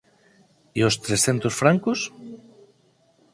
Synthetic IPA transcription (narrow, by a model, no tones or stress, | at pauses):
iost̪ɾesθent̪osfɾaŋkos